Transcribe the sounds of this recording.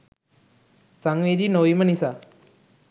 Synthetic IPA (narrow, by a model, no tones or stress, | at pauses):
saŋʋeːd̪inoʋimənisa